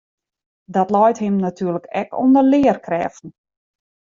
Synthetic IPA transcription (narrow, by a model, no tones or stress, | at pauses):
dɔtlɔjthɪmnatʰyːləkɛko̰ndərlɪːərkrɛːfn̩